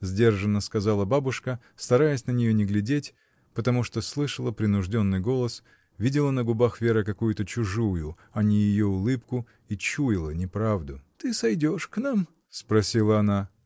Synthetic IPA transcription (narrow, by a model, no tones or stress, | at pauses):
zʲdʲe̞rʐənːəskɐzalˠəbabʊʂkə | st̪ɐɾajɪsʲnənʲɪjo̞nʲɪɡlʲɪdʲetʲ | pət̪ɐmuʂt̪oslˠɨʂəlˠəpɾʲɪnʊʐdʲo̞nːɨjɡo̞lˠəs | vʲidʲɪlˠənəɡʊbaxvʲe̞ɾəkɐkujʊt̪ət͡ɕʊʐujʊ | ɐnʲɪjɪjo̞ʊlˠɨpkʊ | it͡ɕujɪlˠənʲɪpɾavd̪ʊt̪ɨsɐjdʲoʂknam | spɾɐsʲilˠəɐna